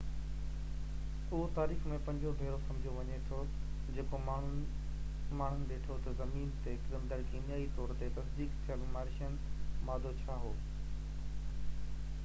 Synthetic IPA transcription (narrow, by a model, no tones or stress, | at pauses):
ʊɦot̪aːɾiːxmẽpɐ̃ɲd͡ʑobʱeːɾosɐ̃md͡ʑʱoʋɐɲet̪ʰo | d͡ʑeːkomaːɳ̤ʊ | maːɳ̤ʊnɪ̆ɗeːʈʰot̪ɐzɐmiːnt̪ekɪd̪əmd̪ɐɾkinjaːit̪ɔːɾt̪et̪ɐsd̪iːkt̪ʰijənɪmaːɾʃənɪ̆maːd̪ʱot͡ɕʰaːɦoː